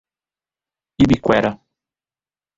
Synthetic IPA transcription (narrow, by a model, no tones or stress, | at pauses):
ibikwɛɾɐ